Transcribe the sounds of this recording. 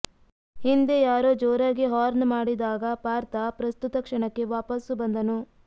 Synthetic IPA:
hind̪e̞jaːɾoːd͡ʒɔːɾɐɡeɦaːɾnmaːɽid̪aːɡɐpaːɾt̪ɐpɾɐst̪ut̪ɐkʂɐɳɐkːe̞ʋaːpɐsubɐnd̪ɐnu

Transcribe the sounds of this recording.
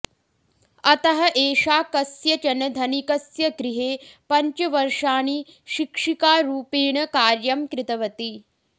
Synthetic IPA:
ɐt̪ɐɦɐʔeːʃaːkɐsjɐt͡ʃɐnɐd̪ʱɐnikɐsjɐɡɾiɦeːpɐɲt͡ʃɐʋɐɾʂaːni | ʃikʂikaːɾuːpiːɳɐkaːɾjɐmkɾɪt̪ɐʋɐt̪i

